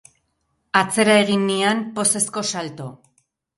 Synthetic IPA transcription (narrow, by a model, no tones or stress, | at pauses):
at͡se̞ɾae̞ɣinːiampo̞se̞sko̞salt̪o̞